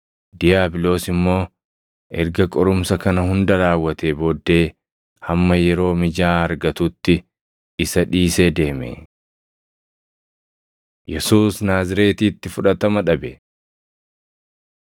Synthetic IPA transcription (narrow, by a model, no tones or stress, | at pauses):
d̪ɪjaːbɪlo̞ːsɪmːo̞ː | ʔɛɾɡɐkʼɔɾʊmsɐkɐnɐhʊnd̪ɐɾaːwːɐt̪eːboːd̪ːe̞ː | hɐmːɐjɛɾo̞ːmɪd͡ʒaːɐɾɡɐt̪ʊt̪ːɪ | ɪsɐᶑiːseːd̪e̞ːmḛ | jɛsuːsnaːzɪɾe̞ːt̪iːt̪ːɪfʊᶑɐt̪ɐmɐᶑɐbɛ